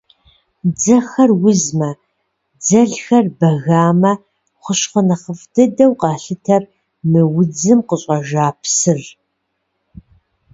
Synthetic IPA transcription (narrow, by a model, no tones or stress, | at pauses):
d͡zɐxɐrwʊzmɐ | d͡zɐɮxɐrbɐɣaːmɐ | χʷʊɕχənɐχəfdɨdɐwqɑːɬɨtʰɐr | mɨwʊd͡zɨmqəɕʼɐʒaːpʰsɨr